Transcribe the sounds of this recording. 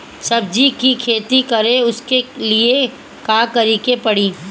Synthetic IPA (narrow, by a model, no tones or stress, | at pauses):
sɐb̚d͡ʒikikʰeːt̪ikɐɾeʊskelie | kaːkɐɾiːkepɐɽiː